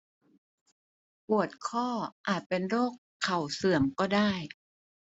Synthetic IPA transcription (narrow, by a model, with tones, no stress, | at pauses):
pu˨˩ət̪̚kʰɔː˥˩ʔaː˨˩t̪̚pe˧nɾoː˥˩kʰːa˨˩wsɯ˨˩əmkɔː˥˩daː˥˩j